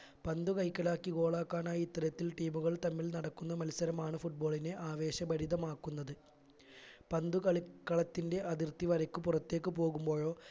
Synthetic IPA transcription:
pɐnd̪ukɐjkːɐlaːkːiɡo̞ːɭaːkːaːnaːjit̪ːɐɾɐt̪ːilʈiːmuɣɐɭt̪ɐmːilnɐɽɐkːunːɐmɐlsɐɾɐmaːɳɨfuʈ̚bo̞ːɭine̞ʔaːʋe̞ːɕɐbɐɾiðɐmaːkːunːɐðɨ | pɐnd̪ukɐɭikːɐɭɐt̪ːinde̞ʔɐðirt̪ːiʋɐɾɐkːupurɐt̪ːe̞ːkːɨpo̞ːɣumbo̞ːɻo̞ː

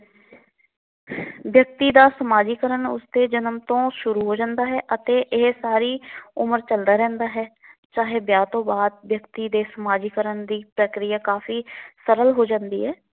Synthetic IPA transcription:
bjək̚t̪iːd̪aːsəmaːd͡ʒiːkəɾənʊ̰sd̪eːd͡ʒənəmt̪õːʃʊɾuːɦoːd͡ʒãːnd̪aːɦɛːʔət̪eːʔɪɦsaːɾiːʊməɾt͡ʃəld̪aːɾɛ̃ːnd̪aːɦɛːt͡ʃaːɦeːbjaːt̪õːbaːd̪̚bjəkt̪iːd̪eːsəmaːd͡ʒiːkəɾənd̪iːpɾəkɾɪjaːkaːfiːsəɾəlɦoːd͡ʒãːnd̪ḭːɦɛː

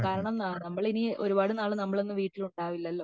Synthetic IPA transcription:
kaːɾɐɳɐmanɐmːɐɭinio̞ɾubaːɽɨnaːɭɨnɐmːɐɭo̞nːɨʋiːʈːiluɳɖaːʋilːɐlːo̞ː

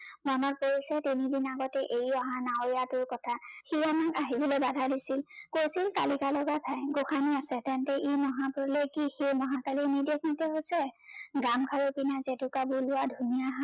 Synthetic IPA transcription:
mamak̚poɹisɛtinidinaɡɔtɛʔejɔɦãnaoɹijatʊɹkɔtʰaxiɹamakaɦibɔlobadʱadisilkojsilta̰likalɔɡapʰajɡoxaniasɛtɛntɛʔimɔɦãpʊɹlejkixejmɔɦãkalimidɛkmɔtɛɦosɛɡamkʰaɹopinazɛtʊkabʊlʊwadʱunijaɦa

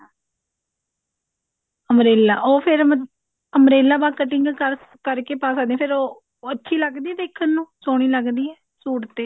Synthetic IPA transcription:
əmɾeːla̰ːʔoːpʰɪɾ | əmɾeːlaːbaːkəʈɪŋɡkəɾ | kəɾkeːpaːs̬aːd̪ẽɛ̃ːpʰɪɾoː | ətːʃʰiːləɡd̪iːɛːd̪eːkʰənːũːsoːɽ̃iːləɡd̪iːɛː | suːʈt̪eː

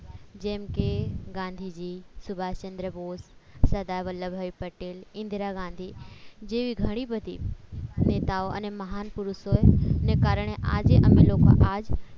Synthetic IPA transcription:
d͡ʑɐ̃ːmkeɡãːnd̪ʱid͡ʑiːsʊbʱaːt͡ɕɐ̃nd̪ɾəboːssɐd̪aːʋəlːəbʱaipɐʈeːlɪ̃nd̪ʱɾaɡãːnd̪ʱid͡ʑeːʋiɡʱɐɽ̃ibʱɐd̪ʱḭneːt̪aːoɐ̰nemɐɦaːnpʊɾʊsonekaːɾəɽ̃eʔa̰ːd͡ʑeʔɐmeloːka̰ʔaːd͡ʑ

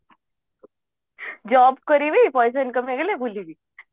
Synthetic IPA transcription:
d͡ʑɔbkəɾiʋipɔjs̬ənkəmeɡlẽbʱuliʋi

